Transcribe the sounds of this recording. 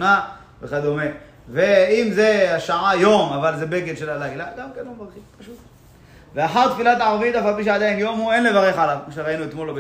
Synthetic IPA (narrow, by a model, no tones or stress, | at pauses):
na | veχad̪ome̞ | veimzeaʃaʕajo̞mavalzebe̞ɡed̪ʃelalaɡlaɡamkenlomvaʁχimpaʃut̪ | veaħaʁt̪filat̪ʕaʁvit̪afalpiʃ̬ead̪ainjo̞mue̞nle̞vaʁeχʕalavkmoʃ̬eʁainuet̪mo̞lob